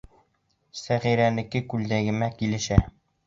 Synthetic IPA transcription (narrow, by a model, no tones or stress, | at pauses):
sæʁiɾænɘ̆kɘkʉld̪æɡɘ̆mækilɘ̆ʃæ